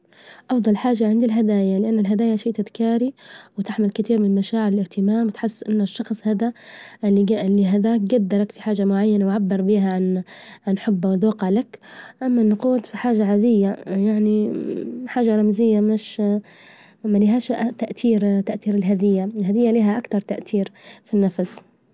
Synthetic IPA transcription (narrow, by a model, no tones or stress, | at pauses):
ʔɑfd̪ˤɑlħaːʒaʕɪnd̪ilɦad̪aːjalɪʔanːalɦad̪aːjaʃiːt̪ɪðkaːɾiwɪt̪ɪħmɪlkɪt̪iːɾmɪnlmaʃaːʕɪɾɪlɪht̪ɪmaːmwɪt̪ħɪsːʔɪnːaʃːɑxsˤhad̪aʔɪlːilːiɦaðaːk̚ɡad̪ːɑɾˤɑkfiħaːʒamʊʕajːanawʕabːɪɾˤbiːɦaʕanʕanħʊbːawɪd̪wɑqːɑʕlakʔamːanːʊquːt̪fiħaːʒaʕaːd̪ɪjːajaʕni | ħaːʒaɾˤɑmzɪjːamɪʃ | maliɦaːʃʔt̪aʔt̪iːɾt̪aʔt̪iːɾɪlɦad̪ɪjːaɪlhad̪ɪjːaliːɦaʔakt̪ɑɾˤt̪aʔt̪iːɾfinːafs